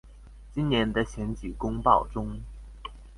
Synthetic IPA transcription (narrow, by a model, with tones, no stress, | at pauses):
t͡ɕi˥nnjɛ˧˥nd̪ə˧ɕjɛ˧˥nt͡ɕi˨˩kʊ˥ŋpɑ˥˩ʊʈ͡ʂʊ˥ŋ